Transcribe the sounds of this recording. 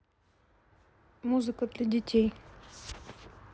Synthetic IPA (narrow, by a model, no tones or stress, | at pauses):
muzɨkəd̪lʲɐdʲɪtʲʰej